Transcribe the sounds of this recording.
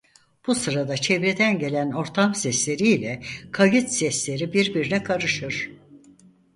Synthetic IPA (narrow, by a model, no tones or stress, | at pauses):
b̥usɯɾad̪at͡ʃʰevɾed̪ænɟe̞lʲæno̞ɾt̪ʰamsɛslʲe̞ɾiːlʲɛkʰajɯt̪sɛslʲe̞ɾibiɾbiɾinɛkʰaɾɯʃɯɾ̥